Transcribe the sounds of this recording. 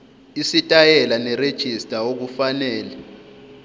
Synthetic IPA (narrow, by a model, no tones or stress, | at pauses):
isitʼajɛlanɛred̥ʒ̥ʱistʼaok̬ufanɛːlɛ